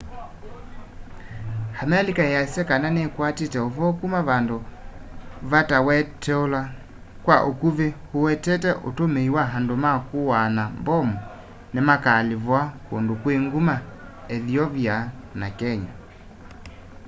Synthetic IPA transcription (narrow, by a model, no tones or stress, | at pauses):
hamɛlikajasɛkananɛkwatitɛovɔkumavando | βatawɛtʰɛɔla | kwaʔokuβehuwɛtɛtɛʔotomeiwaɦandomakuwanambɔmu | nɛmakalivwakondukweŋɡuma | ɛðiɔvja | nakɛɲa